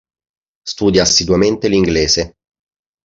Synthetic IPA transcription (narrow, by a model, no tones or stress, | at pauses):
st̪uːd̪jaːsːid̪wament̪eliŋɡleːze